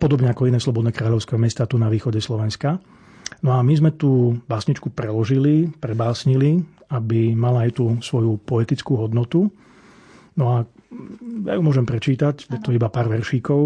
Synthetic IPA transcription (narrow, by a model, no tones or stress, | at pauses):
pɔd̪ɔbɲɛakɔinɛːslɔbɔd̪nɛːkɾaːʎɔʊskɛmɛst̪aːt̪unaʋiːxɔɟɛslɔʋɛnska | nɔamizmɛt̪uːbaːsɲit͡ʃkupɾɛlɔʒilipɾɛbaːsɲili | abimalaːjt̪usʋɔjupɔɛt̪it͡skuːɦɔd̪nɔt̪u | nɔa | ja̰jumʊɔʒɛmpɾɛt͡ʃiːt̪acjɛt̪ɔibapaːɾʋɛɾʃiːkɔʊ